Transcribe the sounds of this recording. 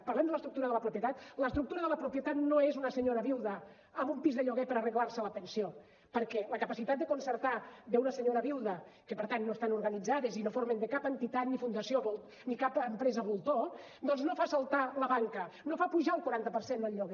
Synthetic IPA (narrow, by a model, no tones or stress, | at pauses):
pəɾlɛmd̪ələst̪ɾuk̚t̪uɾəðələpɾupjət̪at̪ləst̪ɾuk̚t̪uɾəðələpɾupjət̪at̪noezunəsəɲoɾəβiwˠðə | əmbumpizðəʎoɣɛpəɾərəɣlaɾsələp̪ənsio | pəɾkɛləkəpasit̪at̪d̪əkonsəɾt̪ad̪eunəsəɲoɾəβiwˠðəkəpəɾt̪anːoest̪anuɾɣənid͡zaðezinofoɾmend̪əkapənt̪it̪at̪nifund̪əsioβulˠ | nikapəmpɾɛzəβulˠt̪o | d̪ɔnznofasəlˠt̪aləβaŋkənofapuʒaŋˠkuɾant̪əpəɾsend̪əlʎːoɣɛ